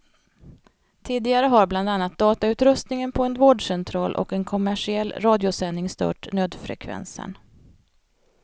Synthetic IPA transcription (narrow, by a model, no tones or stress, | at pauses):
t̪ʰiːd̪ɪɡaɾəɦaɾbland̪anːat̪̚d̪ɑːt̪aʉ̟ːt̪ɾɵst̪nɪŋənpʰɔɛnd̪voːɖʂɛnt̪ʰɾɑːlʔɔ̰kɛnkʰɔmæʂɪɛlːɾɑːd̪ɪʊsɛnːɪŋst̪ʰœ̰ːʈnøːd̪fɾɛ̰kʰvɛ̰nsə̰n